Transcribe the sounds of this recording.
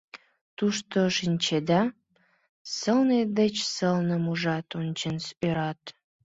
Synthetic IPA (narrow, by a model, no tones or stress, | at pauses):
t̪uʃt̪oʃinʲt͡ɕed̪ɑ | səlned̪et͡ɕsəlnəmuʒɑt̪onʲt͡ɕənsøɾɑt̪